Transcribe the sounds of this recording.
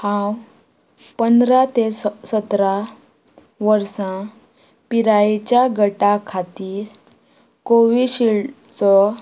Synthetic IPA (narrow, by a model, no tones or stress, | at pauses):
hãw | pənd̪ɾat̪esət̪ɾa | ʋəɾsã | piɾaet͡ɕjaɡʱəʈakʰat̪iːɾ | koʋiɕiɭ | t͡sɔ